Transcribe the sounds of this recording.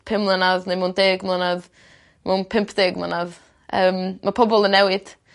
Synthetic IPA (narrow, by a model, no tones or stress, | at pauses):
pʰɪmlˠənavnejmondeːɡmlˠanav | mʔonpʰɪmpʰd̥eːɡmlanav | ʔəːmmapʰɔbɔlˠənɛwɪd̥